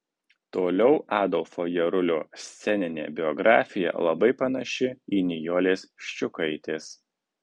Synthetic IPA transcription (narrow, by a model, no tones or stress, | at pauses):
t̪oːlʲɛʊʔæːd̪ɔlˠfojɛɾʊlʲoːsʲt̪sʲɛnʲɪnʲḛːbʲɪɔɡɾɑːfʲɪjɛ̰lˠɐbɐɪpɐnɐʃʲɪiːnʲɪjoːlʲeːspʲʃʲt͡ʃʲʊkɐɪt̪ʲeːs